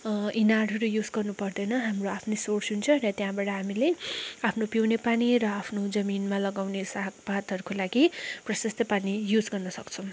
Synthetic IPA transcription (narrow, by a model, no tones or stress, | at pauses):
inaɽɦʌɾujud͡zɡʌrnupʌrd̪ʌjnʌɦamroapʰnesorsɦunt͡sʰʌ̃ɾʌt̪jãbaʈʌɦamileapʰnopjiwnepanirʌapʰnod͡zʌminmalʌɡawnesak̚bat̪ɦʌɾukolaɡiprʌsʌst̪ʌpanijud͡zɡʌrnʌsʌkt͡sʰʌ̃w̃